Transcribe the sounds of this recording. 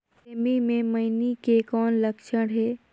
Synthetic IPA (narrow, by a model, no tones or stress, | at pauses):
emimẽməɪnikekɔːnləkʃəɽɦeː